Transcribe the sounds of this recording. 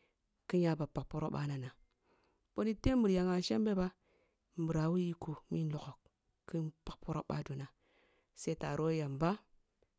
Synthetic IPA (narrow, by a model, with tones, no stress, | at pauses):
ki˦ɲja˦ba˨pa˨k̚po˦ɾo˦ɓa̰˦na˨na˨ | ɓo˦ni˦te˦m˦bɨ˨ɾja˨ŋa˨ʃe˦mbe˦ba˦ | m˨bu˨ɾa˨˦wu˦ji˦ku˨mi˦n˦lo˨ko˨k | ki˦npa˨k̚po˦ɾo˦ɓa̰˦du˨na˨ | se˦i˦ta˨ɾo˦ja˨mba˦